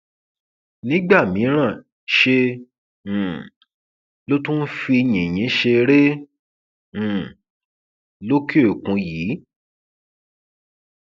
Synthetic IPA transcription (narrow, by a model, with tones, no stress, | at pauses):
nĩ˦ɡ͡ba˦˨mĩ˨˦ɾ̃ã˦˨ | ʃẽ˧˨ | lo˦tũ˦n̩˦fi˧jĩ˨j̃ĩ˨˦ʃe˧ɾe˦˨ | lo˦ke˦o˦˨kũ˧˦jiː˨˦